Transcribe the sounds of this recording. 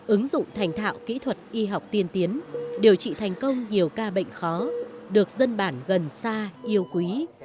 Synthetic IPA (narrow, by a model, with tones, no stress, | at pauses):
ʔɨ˨˦ŋzʊ̰˧˨ŋ͡mt̪ʰa˨˩jŋ̟t̪ʰa̰ː˧˨wkḭ˧˥t̪ʰwə˨˩t̚ʔi˧ɦa˨˩wk͡p̚t̪i˧ənt̪i˨˦ənɗe˨˩əwt͡ɕḭ˧˨t̪ʰa˨˩jŋ̟kə˧wŋ͡mɲi˨˩əwkaː˧ɓə̰˧˨jŋ̟xɔ˨˦ɗɨ˨˩ək̚zə˧nɓaː˧˩nɣə˨˩nsaː˧ʔi˧əwkwi˨˦